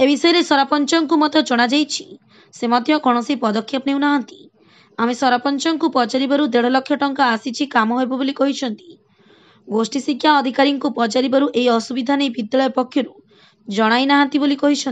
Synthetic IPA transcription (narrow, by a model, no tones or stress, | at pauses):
ebisɔjɔɾesɔɾapɔnt͡ʃɔŋkumɔt̪ɔt͡ʃoɽ̃ad͡ʒajt͡ʃʰi̥ | semɔd̪ʱjɔɡʱɔɽ̃ɔsipɔd̪ɔkʰːjɔpnewnaɦant̪i̥ | amesɔɾapɔnt͡ʃɔŋkupɔt͡ʃaɾibaɾud̪eɽ̤ɔlɔkʰːjɔʈɔŋkaːsit͡ʃʰikamɔɦojbɔbolikɔɦit͡ʃʰɔnt̪i̥ | ɡosʈisikʰjaɔd̪ʱikaɾiŋkupɔt͡ʃaɾibaɾuʔejɔsubid̪ʱanejbid̪jalɔjpɔkʰːjɔɾu | d͡ʒɔɽ̃ajnaɦant̪ibolikɔɦit͡ʃʰɔn